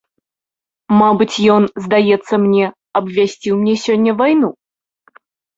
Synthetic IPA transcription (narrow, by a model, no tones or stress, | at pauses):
mabɨt͡sʲjɔnzd̪ajɛt̪sːəmnʲɛ | ɐbvʲasʲt͡sʲiwmnʲɛsʲonʲːəvajnu